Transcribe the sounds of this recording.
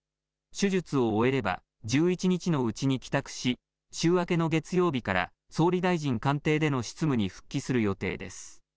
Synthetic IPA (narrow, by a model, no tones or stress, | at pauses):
ɕɨʑɨt͡sɨo̞ːe̞ɾe̞ba̰ | d͡ʑɨːit͡ɕiɲ̟it͡ɕino̞ɯ̟t͡ɕiɲ̟ikʲi̥t̪akɯ̟̥ɕi | t͡ɕɨːβake̞no̞ɡe̞t͡sɨjo̞ːbʲikaɾa̰ | so̞ːɾʲid̪aiʑĩŋkãnt̪e̞ːd̪e̞no̞ɕi̥t͡sɨmɯ̟ɲ̟iɸɯ̟̥kʲːisɨɾɯjo̞t̪e̞̰ːd̪e̞̰sɨ̥